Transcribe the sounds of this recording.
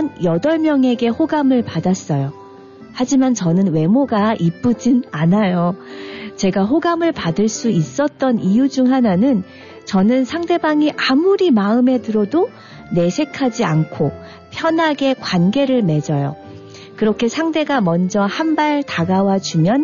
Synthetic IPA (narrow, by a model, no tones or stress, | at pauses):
njʌdʌɭmjʌŋe̞ɡe̞hoɡamɯɭpadas͈ʌjo | had͡ʑimant͡ɕʌnɯnwe̞moɡaʔip͈ɯd͡ʑinanajo | t͡ɕe̞ɡaɦoɡamɯɭpadɯɭs͈uis͈ʌt̚t͈ʌnijud͡ʑuŋɦananɯn | t͡ɕʌnɯnsʰaŋde̞baŋiʔamuɾimaɯme̞dɯɾʌdo | ne̞sʰe̞kʰad͡ʑiankʰo | pʰjʌnɦaɡe̞kwanɡe̞ɾɯɭme̞d͡ʑʌjo̰ | kɯɾʌkʰe̞sʰaŋde̞ɡamʌnd͡ʑʌhambaɭtaɡawat͡ɕumjʌn